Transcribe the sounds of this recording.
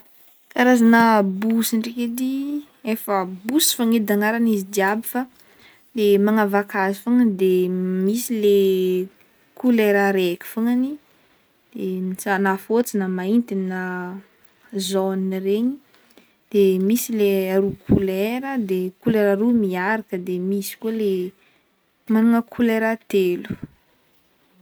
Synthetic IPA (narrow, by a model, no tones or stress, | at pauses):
kaɾazanəbusiɳɖ͡ʐeked̪i | efəbusi̥faŋed̪aŋaɾanizid̪iabifa | lemaŋavakazifaŋəd̪emisile | kuleɾaɾekʲi̥faŋani | d̪̥emit͡sanafot͡sinəmaint̪ina | zoninreɲi | d̪̥emisileaɾukʰuleɾəd̪ekuleɾaɾumiaɾakəd̪emisi̥kuoele | manuŋəkʰuleɾat̪elu̥